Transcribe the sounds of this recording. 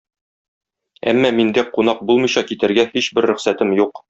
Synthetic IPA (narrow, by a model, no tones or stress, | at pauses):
æ̰mːæmind̪æqunɑq̚bulˠmɤ̆jɕɑkit̪ɘ̆ɾɡæhiɕbɘɾːɵ̆χsæt̪ɘmjuq